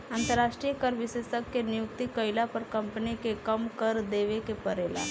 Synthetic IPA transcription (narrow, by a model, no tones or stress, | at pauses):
ãːnt̪əɾːaːʃʈɾijəkəɾʋɪsesəkːenɪjʊk̚t̪ikəɪlapɐɾkɐ̃mpənikekɐmkəɾd̪eːʋekepɐɾeːla̰